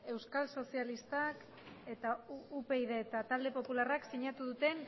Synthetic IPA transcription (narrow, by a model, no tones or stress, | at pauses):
e̞wskalso̞sialist̪ak | e̞t̪aupe̞iðeːt̪at̪ald̪e̞po̞pularaksiɲat̪uðut̪e̞n